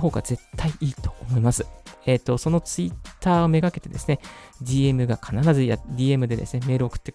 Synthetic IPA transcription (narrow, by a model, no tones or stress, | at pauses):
ɦo̞ːɡa̰ze̞t̪ʰːaiiːt̪o̞̥ːmo̞imasɨ̥eːt̪ːo̞so̞no̞t͡sɨit̪ːaːo̞me̞ɡake̞t̪e̞d̪e̞sɨ̥ned͡ʑʲiːemɯ̟ɡakʰanaɾazɨjad̪ʲiːe̞mɯ̟d̪e̞d̪e̞sɨne̞me̞ːɾɯo̞kɯ̥t̪ːe